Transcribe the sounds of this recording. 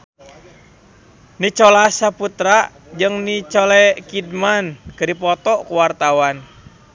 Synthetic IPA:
nit͡ʃɔlasaput̪ɾa | d͡ʒɨŋnit͡ʃɔlɛkidmankɨdipɔt̪ɔkuwart̪awan

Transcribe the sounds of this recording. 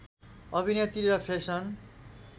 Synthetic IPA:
ʌbʱinet̪iɾʌpʰeksʌn

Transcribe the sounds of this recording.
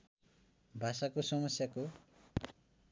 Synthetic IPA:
bʱasakosʌmʌsjako

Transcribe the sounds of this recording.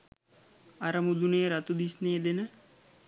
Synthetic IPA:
ɐɾɐmud̪uneːɾat̪ud̪isneːd̪enə

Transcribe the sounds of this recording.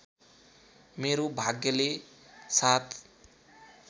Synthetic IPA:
meɾobʱaɡjʌle | sat̪ʰ

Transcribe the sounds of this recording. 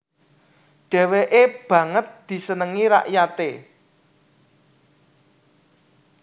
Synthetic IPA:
ɖ̥ɛ̤weʔeb̥ä̤ŋət̪̚d̪̥i̤sənəŋiɾa̰ʔjat̪e

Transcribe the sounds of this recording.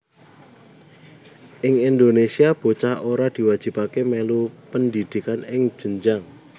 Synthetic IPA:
ʔɪŋind̪onesiab̥o̤t͡ʃahoɾad̪̥i̤wad̥ʒ̥i̤pakemelupənd̪id̪̥i̤kanɪŋ̥ʒ̥ə̤ɲd͡ʒaŋ

